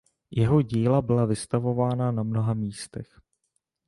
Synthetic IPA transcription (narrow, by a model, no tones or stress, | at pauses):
jɛɦo̞ɟiːlabɪlavɪst̪avo̞vaːnanamno̞ɦamiːst̪ɛx